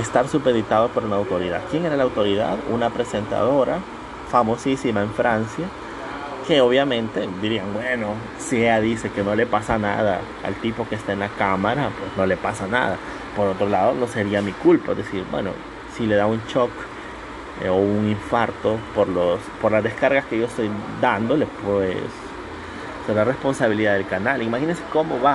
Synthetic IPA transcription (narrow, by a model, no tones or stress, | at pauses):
est̪aɾsupeðit̪að̞opo̞ɾunaːwt̪o̞ɾiða̰ðkje̞ŋe̞ɾalawt̪o̞ɾiða̰ðṵnapɾese̞nt̪a̰ð̞o̞ɾa | famo̞sisimaeɱfɾansja | ke̞o̞βjamẽ̞nt̪e̞d̪iɾiaŋbweno̞ | sieaðise̞ke̞no̞le̞pasana̰ð̞a | a̰lt̪ipo̞keːst̪aenlakamaɾapwe̞sno̞le̞pasana̰ða | po̞ɾo̞t̪ɾo̞laðo̞no̞seɾiamikulpaðe̞siɾbwḛno̞̰ | sile̞ðaunt͡ʃo̞k | ouŋiɱfaɾt̪o̞poɾlospo̞ɾlazðe̞skaɾɣaskeʝo̞est̪ojd̪and̪o̞le̞pwḛsː | eɾare̞spo̞nsaβiliðaðe̞lkanalimaxinense̞ko̞mo̞βa